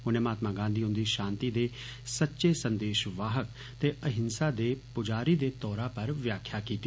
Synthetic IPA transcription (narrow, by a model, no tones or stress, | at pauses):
ʊnẽːmaːt̪maːɡãːnd̪iːɦʊ̃nd̪iːʃãːnt̪iːd̪eː | sətːʃeːsə̃nd̪eːʃʋaːɦək | t̪eːʔəɦɪnsaːd̪eːpʊd͡ʒaːɾiːd̪eːt̪ɔːɾãːpəɾʋjaːkʰjaːkiːt̪i